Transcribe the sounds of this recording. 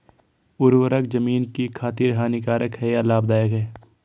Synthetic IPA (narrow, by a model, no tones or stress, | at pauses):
ʊɾwəɾəkzɐmiːnkikʰaːt̪ɪɾɦaːnɪkaːɾʔəkhɛjalaːb̚d̪aːjəkɦɛː